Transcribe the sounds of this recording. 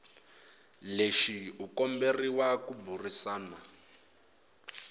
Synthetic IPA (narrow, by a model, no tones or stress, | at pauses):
leʃiukɔmberiwakuburisaːna